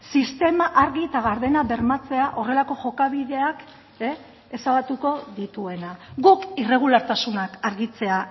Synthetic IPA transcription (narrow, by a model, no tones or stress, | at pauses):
sist̪e̞maʔaɾɣit̪aɣaɾðe̞naβe̞ɾmat͡se̞aʔo̞re̞lako̞ʝo̞kaβiðe̞ak | e | esaβat̪uko̞ðit̪ue̞naɡukire̞ɣ̞ulaɾt̪asunakaɾɣit͡se̞a